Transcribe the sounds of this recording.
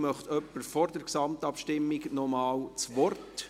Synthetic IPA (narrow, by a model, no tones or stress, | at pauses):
mœχt̪œpːəɾfɔɾdəɾksɑmtɑpʃtɪmːiɡnɔmɑːwt͡sʋɔrt